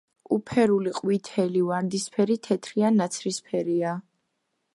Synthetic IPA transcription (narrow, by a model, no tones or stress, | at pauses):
upʰɛɾuliqʼwit̪ʰɛlivaɾd̪ispʰɛɾit̪ʰɛt̪ʰɾianat̪sʰɾispʰɛɾia